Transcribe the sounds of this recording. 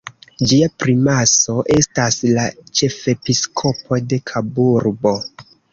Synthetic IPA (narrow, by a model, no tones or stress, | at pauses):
d͡ʒiapɾimaso̞ʔe̞staslat͡ʃe̞fe̞piskʰo̞pʰo̞de̞kʰabuɾbo̞